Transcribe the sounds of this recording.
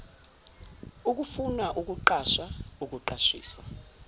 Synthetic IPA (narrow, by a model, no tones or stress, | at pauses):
uk̬ʼufunaʔuk̬ʼuǃaʃauk̬ʼuǃaʃḭːsa